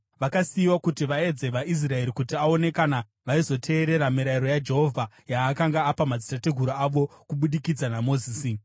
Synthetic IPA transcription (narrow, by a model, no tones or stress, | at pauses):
ʋakasiːwakutiʋae̞d͡ze̞ʋaʔis̬rae̞ɾikutiao̞ne̞kana | ʋaizo̞tʰe̞ːɾe̞ɾamiɾaiɾo̞jad͡ʒe̞ɦo̞vʱa | jaːkaŋɡaːpamad͡zitateɡʱuɾoaʋo̞kuɓuɗikid͡zanamo̞ziːsi